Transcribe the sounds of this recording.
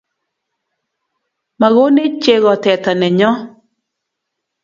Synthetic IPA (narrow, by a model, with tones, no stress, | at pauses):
ma˨ɣo˦ne˦t͡ʃe˦ɣɔ˨tɛ˨ta˨nɛ˨ɲɔ˦